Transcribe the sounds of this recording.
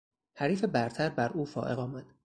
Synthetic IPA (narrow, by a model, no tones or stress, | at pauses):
hæɾiːfe̞bæɾt̪ʰæɾbæɾʔuːfɒ̰ːʔe̞̰ɣɒːmæd̪̥